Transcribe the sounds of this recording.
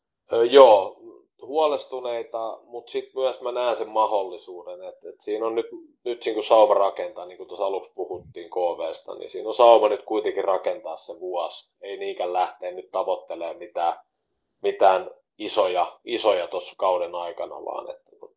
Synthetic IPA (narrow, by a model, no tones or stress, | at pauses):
øjoː | huɑlest̪uneit̪ɑmut̪sit̪myæsmænæːnsemmɑholːisuːdenet̪et̪siːnonnyt̪ | nyt̪niːŋkusɑumɑrɑkent̪ɑniːŋkut̪osɑlukspuhut̪ːiːŋkoːʋeːst̪ɑ̰nḭsḭːnonsɑumɑnyt̪kuit̪eŋkirrɑkent̪ɑːsseʋuɑst̪einiːŋkællæht̪eːnnyt̪t̪ɑʋot̪ːeleːmit̪æː | mit̪æːn | isojɑisojɑt̪osːkɑudenɑikɑnɑ̰ʋɑ̰ːnḛt̪ːænu